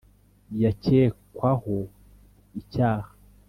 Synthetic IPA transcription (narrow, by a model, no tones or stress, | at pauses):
jaceːkwaho | icaːha